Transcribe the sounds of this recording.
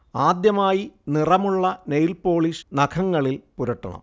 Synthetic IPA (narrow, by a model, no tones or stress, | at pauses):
aːd̪jɐmaːjinirɐmuɭːɐnejlpo̞ːɭiʂnɐkʰɐŋːɐɭilpuɾɐʈːɐ̰ɳɐ̰m